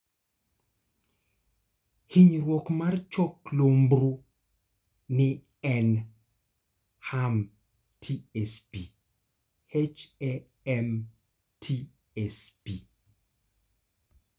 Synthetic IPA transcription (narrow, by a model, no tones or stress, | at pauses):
hiɲɾwɔkmart͡ʃɔklombɾu | nɪ | ɛn | ham | tʰiɛspi | het͡ʃɛ | ɛm | tʰi | ɛspi